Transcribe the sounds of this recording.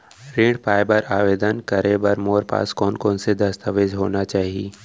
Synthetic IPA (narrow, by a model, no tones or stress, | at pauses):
ɾẽːɽɖpaːbəɾaːʋeːd̪ənkɐɾẽbɐɾmoːɾpa̰ːskɔːnkɔːnsed̪ɐst̪əʋed͡ʒɦoːnat͡ʃaːɦieː